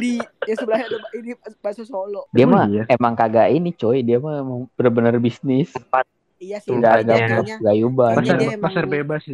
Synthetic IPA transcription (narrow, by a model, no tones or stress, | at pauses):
dijasəbəɾasadidibasasolɔdiammajemaŋkaɡaʔinit͡ʃoidiamaemaŋbənbənərbisnɪspa | ɡaɡaapɡajubanasaapasarbebas